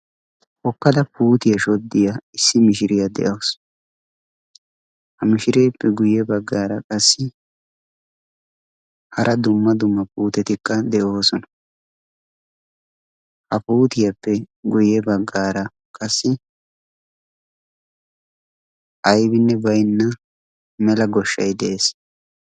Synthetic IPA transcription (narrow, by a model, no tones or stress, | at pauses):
hɔkːɐd̪ɐpuːt̪ɪjɐʃɔd̪ːɪjɐɪsːɪmɪʃɪɾɪjɐd̪ɛ̰ʔɐws | hɐmɪʃɪɾe̞ːpːɛɡʊjɛbɐɡːaːɾɐkʼɐsːɪ | hɐɾʔɐd̪ʊmːɐd̪ʊmːɐpuːt̪ɛt̪ɪkːɐd̪ɛʔo̞ːsɔnɐ̥ | hɐpuːt̪ɪjɐpːɛɡʊjɛbɐɡːaːɾɐ | kʼɐsːɪ | ʔɐjbɪnːɛbɐjnːɐ | mɛlɐɡɔʃːɐ̰jd̪ɛʔeːs